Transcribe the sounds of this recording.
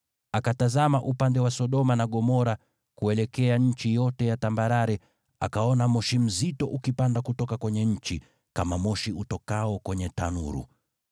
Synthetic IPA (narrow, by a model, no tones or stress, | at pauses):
akatazamaʔupandɛwasɔɗɔmanaɠɔmɔɾa | kuɛlɛkɛaɲ̩t͡ʃijɔtɛjatambaɾaɾɛ | a̰kaɔnamɔʃim̩zitɔʔukipandakutɔkakwɛɲɛɲ̩t͡ʃi | kamamɔʃiutɔkaɔkwɛɲɛta̰nṵɾṵ